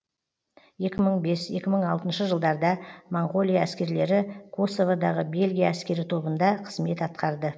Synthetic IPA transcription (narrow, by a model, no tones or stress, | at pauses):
je̞kʲɪməɴbe̞sje̞kʲɪməɴɑlˠt̪ənʃəʒəlˠd̪ɑɾd̪ɑmoɴɡo̞lˠijaæskʲe̞ɾle̞ɾɪkʰo̞so̞vod̪ɑʁəbe̞lɡʲijaːskʲe̞ɾɪt̪ʰo̞bənd̪ɑqʰəzme̞t̪ɑt̪̚qɑɾd̪ə